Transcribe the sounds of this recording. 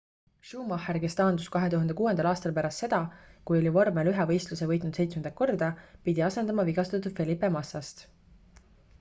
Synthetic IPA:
ʃuːmɑherke̞st̪ɑːnd̪uskɑɦe̞t̪uɦɑnd̪e̞kuːe̞nd̪ɑlɑːst̪ɑlpæɾɑst̪se̞d̪̥ɑkujo̞livormelyɦɛvɤ̞jst̪luse̞vɤ̞jt̪ˑnud̪̥se̞jt̪smend̪ɑk̚o̞rd̪̥ɑpid̪̥iɑse̞nd̪ɑmɑviɡ̥ɑst̪ɑt̪ːˑud̪̥fe̞lipːˑe̞mɑsːɑst̪

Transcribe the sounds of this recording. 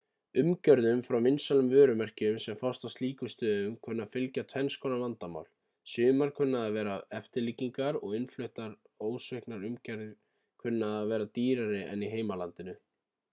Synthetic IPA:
ʏmcœɾðʏmfɾawmɪnsalʏmvœːɾʏmɛr̥cɪʏmsɛmfawst̪awst̪liːkʏst̪œːðʏmkʰʏnːafɪlcat̪ʰvɛnskʰɔːnavant̪ama̰wl̥ | sʏːmaɾ̥kʰʏnːaðavɛːɾaɛft̪ɪɾliciŋkaɾɔɣɪnflœht̪aɾ | oːwsʏhknaɾʏmcœɾð | kʰʏnːaðavɛːɾat̪iːɾaɾɪʔɛ̰niɦeːjmalant̪ɪnʏ

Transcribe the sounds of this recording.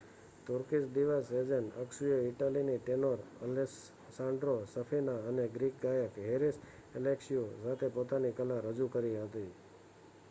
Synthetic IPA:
t̪ʊɾkisd̪iʋased͡ʒəɳəksujeiʈaliniʈenoɾə̰les | sãɳɖɾosəfʰinaəneɡɾik̚ɡajəkɦeɾis | eleksiosat̪ʰepot̪anikəlaɾəd͡ʒukəɾiɦət̪i

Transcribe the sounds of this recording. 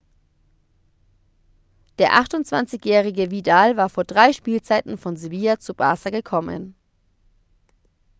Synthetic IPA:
d̥eːɐʔaχtʊntt͡sv̥a̰nt͡sɪçjɛːʁ̞ɪɡəvidaːlvaːɐfoːɐdʁaɪʃpiːlt͡saɪtn̩fɔnzɪviːat͡sub̥a̰ːsaɡəkʰɔmə̰n

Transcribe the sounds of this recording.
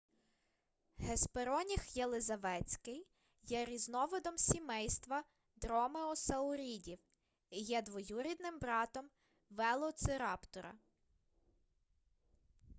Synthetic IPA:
ɦespeɾɔnʲixjelˠɪzɐʋɛt͡sʲkɪj | jɛɾʲiznɔʋɔd̪ɔmsʲimɛjst̪ʋɐ | d̪ɾɔmeɔsɐʊɾʲidʲiw | ijɛd̪ʋɔjuɾʲid̪nɪmbɾɑt̪ɔm | ʋɛlˠɔt̪sɪɾɑpt̪ɔɾɐ̰

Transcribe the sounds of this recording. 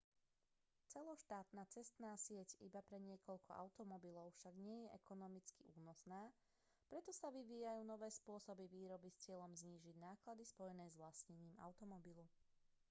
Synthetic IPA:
t͡sɛlɔʃt̪aːt̪naːt͡sɛst̪naːsɪɛcḭbapɾɛɲɪɛkɔʎkʰɔ̰ʔa̰ʊt̪ɔmɔbilɔʊfʃaɡɲɪɛjɛʔɛkɔnɔmit͡skiʔuːnɔsnaː | pɾɛt̪ɔsaʋiʋiːjajuːnɔʋɛːspʊɔsɔbiʋiːɾɔbist͡sɪɛʎɔmzɲiːʒiɟnaːklad̪ispɔjɛnɛːzʋlasɲɛɲiːma̰ʊt̪ɔmɔbilu

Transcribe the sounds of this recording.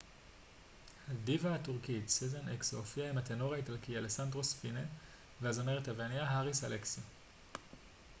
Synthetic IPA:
hadivahatuʁkitsizenekshofiaimat̪eno̞ʁaitalkialesandʁo̞spine | veazomeʁethaveaniaɦaʁisaleksi

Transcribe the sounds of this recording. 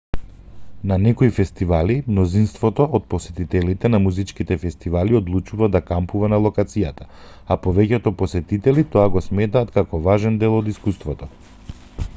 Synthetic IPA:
nanɛkɔifɛst̪ivalimnɔzinst̪vɔt̪ɔʔot̪̚pɔsɛt̪it̪ɛlit̪ɛnamuzit͡ʃkit̪ɛfɛst̪ivaliod̪lˠut͡ʃuvad̪akampuvanalˠɔkat̪sijat̪a | apɔvɛcɛt̪ɔpɔsɛt̪it̪ɛlit̪ɔaɡɔsmɛt̪aːt̪kakɔvaʒɛnd̪ɛlˠɔd̪iskust̪vɔt̪ɔ

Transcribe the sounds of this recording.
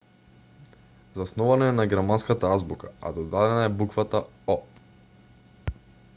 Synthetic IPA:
zasnɔvanɔɛnaɡɛɾmanskat̪aazbuka̰a̰d̪ɔd̪ad̪ɛnaɛbukvat̪a | ɔ

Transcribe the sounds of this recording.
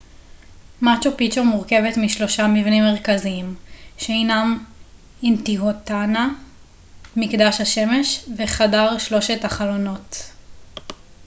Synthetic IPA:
mat͡ʃopit͡ʃomuʁke̞vetmiʃlo̞ʃamivnimːe̞ʁkaziimʃeinam | intiɦotana | mikdaʃhaʃe̞me̞ʃveχadaʁʃlo̞ʃetaχalo̞no̞t

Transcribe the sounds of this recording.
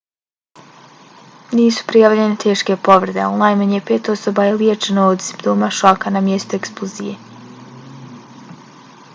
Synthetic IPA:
niːsu̥pɾijaʋʎenet̪ʰe̞ːʃke̞po̞ʋɾed̪eonlajmaɲepeːt̪o̞sobajeljet͡ʃenoːd̪simpt̪oːmaʃakanamjest̪oeksplˠozḭjḛ

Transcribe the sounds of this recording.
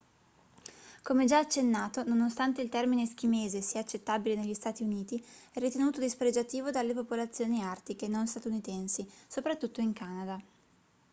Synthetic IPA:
komed͡ʒaat͡ʃːenːaːt̪ononost̪ant̪eilt̪ɛrminesk̟imeːzesiaːt͡ʃːet̪ːabileneʎːist̪aːt̪iuniːt̪iɛrːit̪enuːt̪od̪ispɾed͡ʒat̪iːvod̪alːepopolat̪sːjoːniart̪ikenonst̪at̪unit̪ɛnsisopɾat̪ːut̪ːoiŋkaːnad̪a

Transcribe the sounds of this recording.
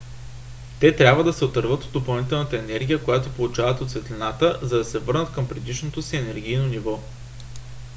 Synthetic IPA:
t̪ɛt̪ɾʲabvəd̪ɐsɛot̪əɾvɤt̪od̪opɐlˠnit̪̬ɛlˠnət̪əɛnɛɾɡʲijəkojat̪opolˠut͡ʃavət̪ot̪svɛt̪lʲinat̪əzɐd̪ɐsɛvɤɾnət̪̚kɤmpɾɛd̪iʃnot̪osiɛnɛɾɡʲijnonivɔ

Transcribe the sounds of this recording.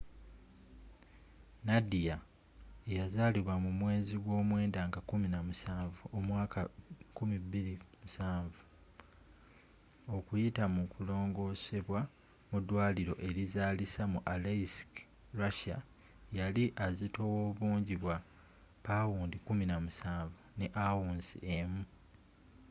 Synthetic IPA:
nadija | ejazaliβwamumwe̞ːziɡwo̞ːmwe̞ːndaːŋɡakuminamusaːvuomwaːkakumibiɾimusaːɱvu | o̞kujitamukulo̞ːŋɡo̞ːse̞βwa | mudwaːliɾo̞̰ʔe̞ɾizaːlisamuʔalesk | ɾaʃa̰ | jaliʔazito̞woβuːɲɟiβwa | pawuːndikuminamusaːɱvune̞ʔawuːnzḭemu

